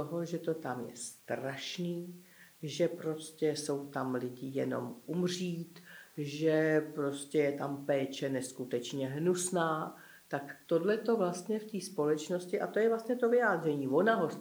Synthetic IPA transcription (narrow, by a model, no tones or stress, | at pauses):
t̪oɦo̞ʒɛt̪o̞t̪amjɛ̰st̪ɾaʃniːʒɛpɾo̞scɛso̞wt̪amlɪɟɪjɛno̞̰mʔumr̝iːt̪ʒɛpɾo̞scɛjɛt̪ampɛːt͡ʃɛnɛskut̪ɛt͡ʃɲɛɦnusnaː | t̪akt̪o̞dlɛt̪o̞vlast̪ɲɛft̪iːspo̞lɛt͡ʃno̞scɪʔat̪ojɛvlast̪ɲɛt̪o̞vɪjaːd̪r̝ɛɲiːvo̞naɦo̞